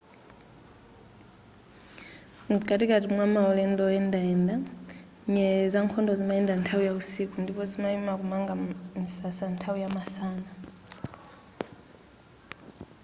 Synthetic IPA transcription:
kʼatikatimwamaɔlɛndɔɛndaɛnda | ɲɛzaŋkʰɔndɔzimaɛndantʰaujausikundipɔzimaimakumaŋɡansasantʰaujamasaːna

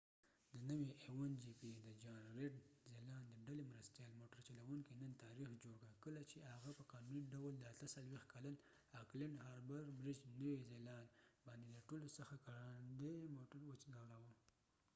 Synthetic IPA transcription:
d̪ənəwiʔewand͡ʒipid̪əd͡ʒɑnɾeɖzelɑnd̪əɖalemɾast̪jɑlmoʈəɾt͡ʃalawuŋkinənt̪ɑɾixd͡ʒoɽkəkəlat͡ʃehaɣapəqɑnuniɖawəld̪əat̪əsalwext̪kalan | aklɪɳɖhɑɾbaɾbɾɪd͡ʒnəwizelɑnbɑnd̪ed̪əʈolosəxakaɾand̪emoʈəɾwət͡ʃnawɽawə

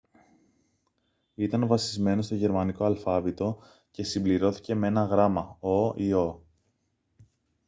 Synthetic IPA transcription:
it̪ɐnvɐsizme̞nost̪o̞ʝe̞ɾmɐniko̞ɐlfɐvit̪o̞ | ce̞simbliɾo̞θi̥ce̞mee̞nɐɣɾɐmɐo̞io̞

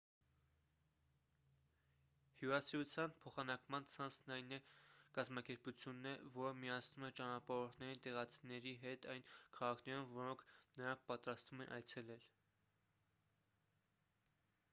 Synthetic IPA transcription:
hjuɾɑsiut͡sʰjɑnpʰɔχɑnɑkmɑnt͡sʰɑnt͡sʰnɑjnɛkɑzmɑkɛɾput͡sʰjunːɛvɔɾəmijɑsʰnumɛt͡ʃɑnɑpɑɾɔɾt̪ʰnɛɾint̪ɛʁɑt͡sʰinɛɾiɦɛt̪ɑjnkʰɑʁɑkʰnɛɾumvɔɾɔŋkʰnəɾɑŋkʰpɑt̪ɾɑst̪vumɛnʔɑ̰jt͡sʰɛlɛl

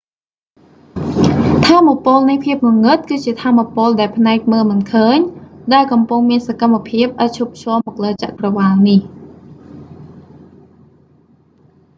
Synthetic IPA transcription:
t̪ʰaːmːopʊ̆əlnɨjpʰiəp̚nŭəŋɨt̪̚kɨːt͡ɕiət̪ʰaːmːapʊ̆əlɗaɛlpʰnaɛk̚məːlmɨnkʰəːɲɗaɛlkɑmpuŋmiənsakamːapʰiəp̚ʔac̪̚t͡ɕʰup̚ʰt͡ɕʰɔ̆əlmɔːk̚ləːt͡ɕa̰ʔkrɑʋaːlnih

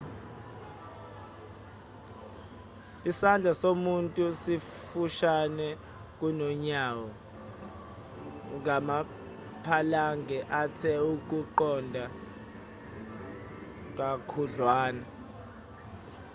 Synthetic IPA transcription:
isand͡ɮʱasomuntʼusi | fuʃanɛ | k̬ʼunɔɲawɔ | ŋama | pʰalaŋɡʱɛʔatʰɛuk̬ʼuǃɔndʱa | k̬ʼakʰuɮwaːna

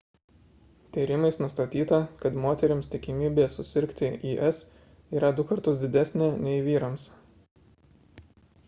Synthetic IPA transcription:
t̪ʲiːɾʲɪmɐɪsnʊst̪ɐt̪ʲiːt̪ɐkɐt̪moːt̪ʲɛɾʲɪmst̪ʲɪkʲɪmʲiːbʲeːsʊsʲɪɾʲkt̪ʲɪiːʔɛs | iːɾɐd̪ʊkɐɾt̪ʊsd̪ʲɪd̪ʲæsʲnʲeːnʲɛɪʋʲiːɾɐms

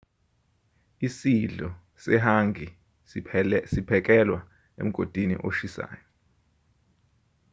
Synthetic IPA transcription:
isiɮɔ | sɛɦaŋɡʱi | sipʰɛk̬ʼɛlwa | ḛm̩ɡ̥ʱod̥ʱinḭʔo̰ʃisa̰ːjɔ

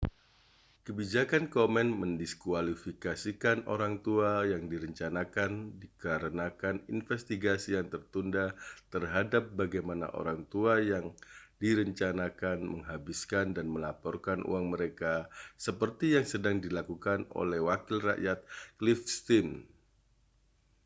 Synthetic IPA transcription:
kəbid͡ʒakankomɛnməndiskualifikasikanoɾaŋt̪uajaŋdiɾəɲt͡ʃanakandikaɾənakaninfɛst̪iɡasijaŋt̪ərt̪undat̪ərɦadap̚baɡajmana̰ʔo̰ɾaŋt̪uajaŋdiɾəɲt͡ʃanakanməŋɦabiskandanməlapɔrkanʔṵaŋməɾekasəpərt̪ijaŋsədaŋdilakukano̰lɛhwakɪlra̰ʔjat̪̚klifst̪in

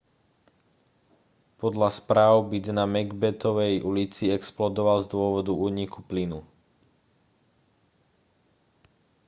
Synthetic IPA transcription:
pɔd̪ʎaspɾaːʊbid̪namɛɡbɛt̪ɔʋɛjʔulit͡siɛksplɔd̪ɔʋalzd̪ʊɔʋɔd̪uuːɲikuplinu

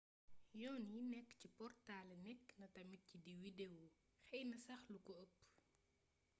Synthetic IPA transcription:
jɔːninɛkːcipɔrtalnɛkːnɐtɐmit̚cidiwidewu | xɛjnɐsɐxlukɔəpː

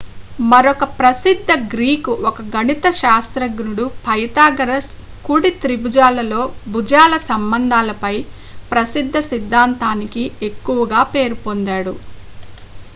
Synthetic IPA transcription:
mɐɾɔkɐpɾɐsid̪ʱːɐɡɾiːkuʔɔkɐɡɐnit̪ɐʃaːst̪ɾɐɡnuɽupʰɐjt̪aːɡɐɾɐs | kuɽit̪ɾibud͡ʒaːlɐlo̞ːbud͡ʒaːlɐsɐmbɐnd̪ʱaːlɐpɐj | pɾɐsid̪ʱːɐsid̪ʱːaːnt̪aːnikie̞kːuʋɐɡaːpe̞ːɾupond̪aːɽu

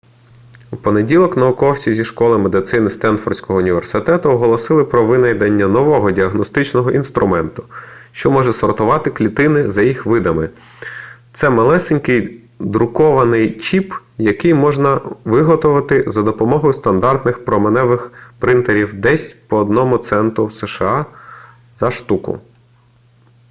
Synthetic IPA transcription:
wpɔnedʲilˠɔknɐʊkɔwt͡sʲizʲiʃkɔlˠɪmed̪ɪt̪sɪnɪst̪ɛnfɔ̰rʲsʲkɔɦɔʊnʲiʋersɪt̪ɛt̪ʊɔɦɔlˠɔsɪlˠɪpɾɔʋɪnɐjd̪ɐnʲːɐnɔʋɔɦɔdʲiɐɦnɔst̪ɪt͡ʃnɔɦɔʔinst̪ɾʔʊmɛnt̪ʊ̥ʃt͡ʃɔmɔʒɛsɔrt̪ʊʋɑt̪ɪklʲit̪ɪnɪzɐjixʋɪd̪ɐmɪ | t̪sɛmɐlˠɛsenʲkɪj | d̪ɾʊkɔʋɐnɪjt͡ʃip | jɐkɪjmɔʒnɐʋɪɦɔt̪ʊʋɐt̪ɪzɐd̪ɔpɔmɔɦɔjʊst̪ɐnd̪ɑrt̪nɪxpɾɔmenɛʋɪxpɾɪnt̪eɾʲiwd̪ɛsʲpɔːd̪nɔmʊt̪sɛnt̪ɾʊsɛʃeɑ | z̥ɐʃt̪ukʊ̰

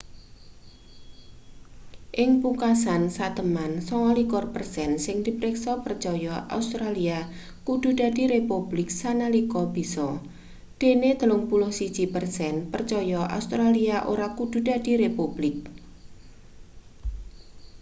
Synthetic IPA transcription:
ʔɪŋpukasansat̪əmansɔŋalikɔrpərsɛnsɪŋd̪̥i̤pɾeksɔpərt͡ʃɔjɔʔa̰ust̪ɾalia | kud̪̥ṳd̥a̤d̥i̤ɾepub̥lɪk̚sanalikɔb̥isɔ | d̪̥ened̪əlʊŋpulʊhsid̥ʒ̥i̤pərsɛnpərt͡ʃɔjɔʔa̰ust̪ɾaliaʔoɾakud̪̥ṳd̥a̤d̥i̤ɾepub̥lɪk̚

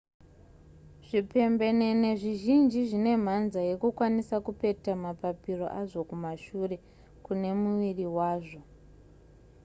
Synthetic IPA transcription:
ʐ̥ipe̞mbe̞ne̞ne̞ʐiʒind͡ʒiʐine̞m̤anzaje̞kukwanisakupe̞tamapapiro̞̰ʔaʐo̞kumaʃure̞ | kune̞muʋiriwaːʐo̞

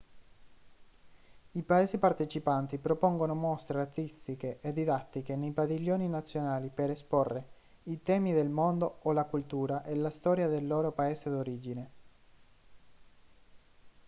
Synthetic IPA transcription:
ipaeːsipart̪et͡ʃipant̪ipɾopoŋɡonomost̪ɾeart̪ist̪ikeʔed̪id̪at̪ːikenejpadiʎːoːninat̪sːjonaːlipeɾesporːe | it̪ɛːmid̪elmond̪oolakult̪uːɾaʔelast̪ɔːɾjad̪elːoːɾopaeːsed̪oɾiːd͡ʒine

